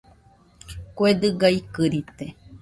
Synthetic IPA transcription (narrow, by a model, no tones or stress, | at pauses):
koed̪ɨɡaikɨɾit̪e